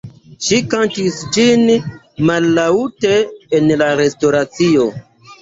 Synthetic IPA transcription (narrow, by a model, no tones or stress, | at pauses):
ʃikantisd͡ʒin | malːauteːnlaɾe̞sto̞ɾat͡sio̞